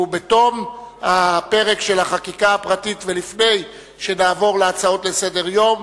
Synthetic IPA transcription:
ubeto̞mhape̞ʁe̞kʃe̞laχakikaapʁatitvelifne̞j | ʃe̞naːvo̞ʁleat͡sao̞tle̞se̞de̞ʁjo̞m

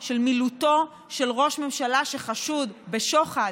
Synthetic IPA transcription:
ʃe̞lmiluto̞ | ʃe̞lʁo̞ʃme̞mʃalaʃeχaʃud̪be̞ʃo̞χa

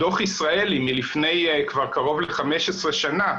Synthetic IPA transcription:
do̞χisʁaelimilifne̞jkvaʁkaʁo̞vleχame̞ʃesʁeʃana

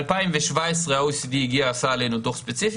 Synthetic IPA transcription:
lpaɪnveʃvaɪsʁɛoʊsdiːɡiasalɪnʊndʊχspɛt͡sif

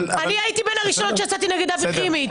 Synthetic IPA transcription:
aniajit̪ibenhaʁiʃonot̪ʃeat͡sat̪ineɡed̪avimi

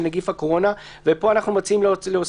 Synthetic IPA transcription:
naɡifhako̞ʁo̞na | vepo̞anaχnumot͡siimlleos

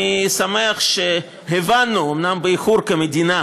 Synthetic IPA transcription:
isameaχʃe | ɦevanːuomnambeiχuɾkemed̪ina

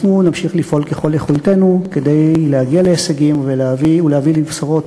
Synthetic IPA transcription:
nunamʃiχlifo̞lkeχo̞leχulte̞nuke̞d̪ejlehaɡiale̞ːseɡimveleaviulehavilivsaʁo̞t

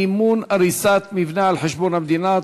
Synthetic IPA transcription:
mːuːnʔaɾiːsaːt̪mivnaːʕɪlħɪʃbuːɾamd̪iːnaːt̪

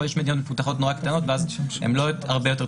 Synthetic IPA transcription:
jɛʃmed̪inot̪mefut̪aχo̞t̪noʁakt̪ano̞t̪veazḛmloaʁbejot̪e̞ʁ

